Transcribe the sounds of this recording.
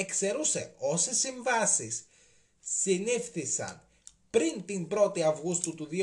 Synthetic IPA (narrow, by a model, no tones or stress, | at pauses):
e̞kse̞ɾuse̞̰o̞sesiɱvɐsisː | inifθisɐ̰n | pɾint̪imbɾo̞t̪iɐvɣust̪ut̪uði